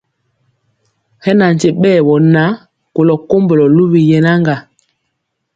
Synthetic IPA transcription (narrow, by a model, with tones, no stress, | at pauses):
hɛ˦na˨n̩˨te˨ɓɛː˦˨wɔ˨na˨˦ | ko˨lɔ˨ko˦mbo˨lɔ˨lu˦βi˨jɛ˨na˦ŋɡa˨